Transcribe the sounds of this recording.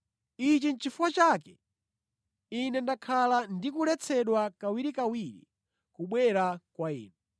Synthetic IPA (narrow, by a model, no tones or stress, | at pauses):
it͡ʃin̩t͡ʃifuwat͡ʃaːkɛ | inɛndakʰalandikulɛt͡sʰɛɗwakawiɾikawiɾḭ | kuɓwɛɾakwaḭːnɛ